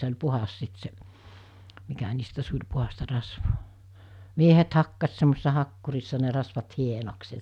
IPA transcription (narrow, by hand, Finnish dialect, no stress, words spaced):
se olʲ puhɑs sit se mikæ niːstæ sulʲ puhɑstɑ rɑsʋoː miehet hɑkːɑs semːosesːɑ hɑkːurisːɑ ne rɑsʋɑt hienoks jɑ